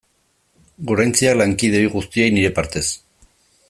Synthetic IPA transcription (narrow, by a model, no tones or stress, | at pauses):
ɡo̞ɾajnt͡sialaŋkiðeiɣust̪iejniɾe̞paɾt̪e̞s